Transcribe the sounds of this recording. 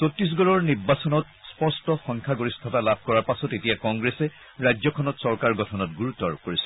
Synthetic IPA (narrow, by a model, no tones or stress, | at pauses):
sotɹis̬ɡɔɹɔɹniɹbasɔnɔt | spɔɹstɔxɔŋkʰaɡoɹistʰatalab̚ʱkɔɹaɹpasɔtetijakɔŋɡɹesɛ | ɹajzɔkʰɔnɔtsɔɹkaɹɡɔtʰɔnɔtɡuɹutːɔɹkoɹisɛ̥